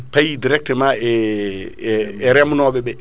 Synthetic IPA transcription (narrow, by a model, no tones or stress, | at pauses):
pajidiɾɛk̚tɛmaɛ | ɛɾɛmunɔːɓɛɓɛ